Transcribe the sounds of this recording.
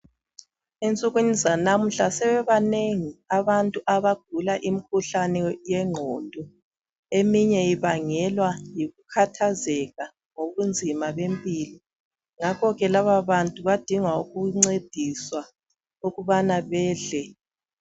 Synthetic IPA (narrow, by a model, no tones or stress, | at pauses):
ent͡sʼuɣunizanam̩ɬasɛβɛβaneŋiaβantʼuʔaβaɡ̥ʱulaʔimikʰuɬanɛjɛŋ͡ǃʱondʱɔ | emiɲɛiβaŋɛlwajiɣukʰatʰazɛɣa | ŋoɣund͡zʱimaβempʼili | ŋakʰɔɣɛlaβaβantʼuβad̥ʱiŋwauɣuŋ͡ǀed̥ʱiswa | uɣuβanaβɛːɮɛ